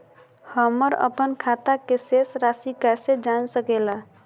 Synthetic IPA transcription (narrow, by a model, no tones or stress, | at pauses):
həməɾə̰pənkʰat̪akesesɾasikased͡ʒansəkɛla